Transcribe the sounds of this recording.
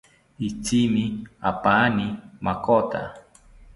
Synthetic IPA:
it͡simiapanimakot̪a̰

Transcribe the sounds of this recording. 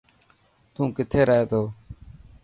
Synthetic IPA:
t̪ũːkɪt̪ʰeːɾaɦeːt̪oː

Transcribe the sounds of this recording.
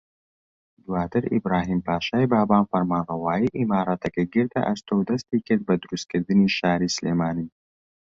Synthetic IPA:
d̪wɑːt̪ɐɾḭbɾɑːɦimpɑːʃɑːjbɑːbɑːnfɐɾmɑːnɐwɑːjiʔimɑːɾat̪ɐkɐɡiɾd̪ɐ̰ʔast̪owd̪ɐst̪ikɐd̪̚bɐd̪uɾust̪̚kəɾd̪ɨniʃaːɾisleːmaːni

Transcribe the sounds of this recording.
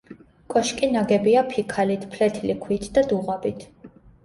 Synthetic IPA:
kʼɔʃkʼinaɡɛbiapʰikʰalit̪ʰpʰlɛt̪ʰilikʰwit̪ʰd̪̥ad̪uʁabit̪ʰ

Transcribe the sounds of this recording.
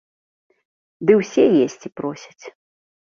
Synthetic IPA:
d̪ɨwsʲɛjesʲt͡sʲipɾɔsʲɐ̥t͡sʲ

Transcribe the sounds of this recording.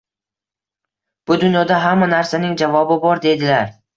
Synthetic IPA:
b̥ʊd̪ʊnjɒd̪aɦamːanaɾsanɪŋd͡ʒavɒbɪbɒɾd̪e̞d̪ɪlaɾ

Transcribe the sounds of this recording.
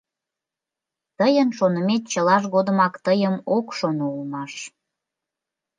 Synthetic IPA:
t̪əjənʃonəmet̪̚t͡ɕəlɑʃɣod̪əmɑkt̪əjəmokʃonoulmɑʃ

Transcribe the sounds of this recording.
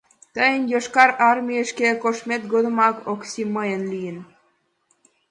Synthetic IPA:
t̪əjənjoʃkɑɾɑrmʲijəʃkekoʃmet̪̚ɡod̪ə̆mɑkoksiməjənlijən

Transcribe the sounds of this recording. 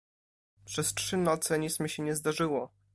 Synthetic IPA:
pʂɛstʂɘnɔt̪sɛɲit̪smʲiɕɛɲɛzd̪aʐɘwɔ

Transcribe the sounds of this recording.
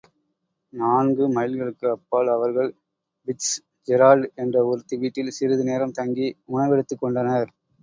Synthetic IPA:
naːnɡɯmɐjɪlɣɐɭɯkːɯɐpːaːɭɐʋɐɾɣɐɭ | bɪs | d͡ʒɛɾaːlɖɛndrɐɔɾɯt̪ːɯʋiːʈːɪlsɪɾɯðɯneːɾɐmt̪ɐŋɡiʊɳɐʋɛɽɯt̪ːɯkːɔɳɖɐnɐɾ

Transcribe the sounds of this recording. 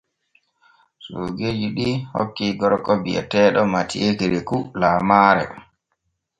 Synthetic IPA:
soɡed͡ʒiɗiho̰kːiɡɔɾkɔbiɛ̰tɛːɗɔmatḭʔekiɾɛkulaːmaɾɛ̰

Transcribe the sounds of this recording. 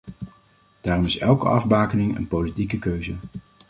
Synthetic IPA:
d̥aːrɔmɪsɛlˠkə̰ɑvbaːkənɪŋə̰npowlitikəkøɥzə

